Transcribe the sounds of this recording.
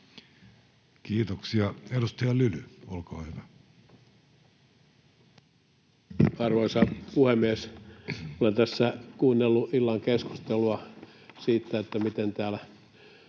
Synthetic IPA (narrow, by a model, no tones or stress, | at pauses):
kiːt̪oksiɑedust̪ɑjɑlylyolkoːhyʋæ | ɑrʋoisɑpuhemːies | olent̪æsːækuːnːelːuʔilːɑŋkesku̥st̪eluɑ | siːt̪ːæet̪ːæmit̪ent̪æːlæ